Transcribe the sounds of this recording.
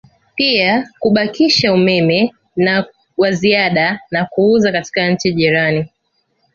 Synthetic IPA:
piakuɓakiʃaumɛmɛ | na | waziaɗanakuuzakati̥kaɲ̩t͡ʃiʄiɾani

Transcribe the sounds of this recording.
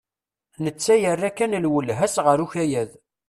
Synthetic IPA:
nət͡sːæjərːækːænlwəlɦæsʁəɾuçæjæð

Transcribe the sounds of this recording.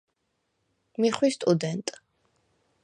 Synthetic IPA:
miχwist̪ʼud̪ɛnt̪ʼ

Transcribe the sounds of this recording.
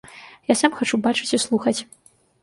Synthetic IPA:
jasamxat͡ʂubat͡ʂɨt͡sʲislˠuxɐt͡sʲ

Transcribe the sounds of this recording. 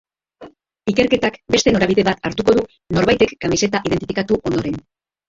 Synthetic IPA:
ike̞ɾke̞t̪akbe̞st̪e̞no̞ɾaβiðe̞βat̪aɾt̪uko̞ðu | no̞ɾβajt̪e̞kːamise̞t̪aʔiðe̞nt̪i̥fikat̪uʔo̞nd̪oɾe̞n

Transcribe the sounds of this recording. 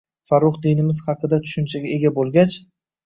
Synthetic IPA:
faɾʊχd̪inɪmɪz̥hɑqɨd̪at̪ʰʊ̥ʃʊnt͡ʃʰaɡʲae̞ɡʲabolˠɡʲat͡ʃ

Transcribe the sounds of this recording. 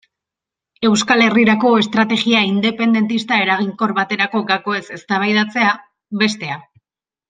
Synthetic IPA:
e̞wskale̞riɾako̞e̞st̪ɾat̪e̞ɣiaind̪e̞pe̞nd̪e̞nt̪ist̪ae̞ɾaɣ̞iŋko̞ɾβat̪e̞ɾako̞ɡako̞e̞se̞st̪aβ̞ajðat͡se̞a | βe̞st̪e̞a

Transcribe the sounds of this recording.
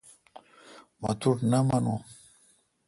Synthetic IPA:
ma̰t̪uɾnamanu

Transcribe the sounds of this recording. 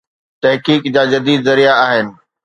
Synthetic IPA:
t̪ɐɦkiːkd͡ʑaːd͡ʑɐd̪iːd̪zɐɾijaaːɦɪnɪ̆

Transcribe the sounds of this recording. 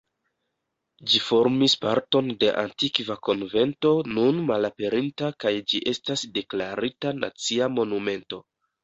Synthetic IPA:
d͡ʒifo̞ɾmispaɾto̞nde̞ʔa̰ntikvako̞nve̞nto̞nunmalape̞ɾintakajd͡ʒiʔe̞stasde̞klaɾitana̰t͡siamo̞nume̞nto̞

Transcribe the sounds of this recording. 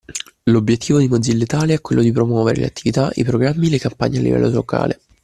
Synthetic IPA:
lobjet̪ʰːiːvod̪imod̪zilːet̪aːleɛkːwelːod̪ipɾomwɔːveɾḛlḛat̪ʰːivit̪aḭpɾoɡɾamːilekampa̰ɲːealːḭvɛ̰lːolokʰa̰ːle

